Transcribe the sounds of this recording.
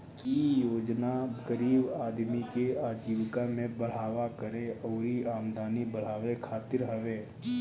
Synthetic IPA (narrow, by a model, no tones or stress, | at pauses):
kijoːd͡ʒnaɡəɾiːbaːd̪mikeaːd͡ʒiːʋkamẽbəɽ̤aːʋakəɾẽɔːɾiaːmd̪ʱaːnibəɽ̤aːʋekʰaːt̪ɪɾɦəʋeː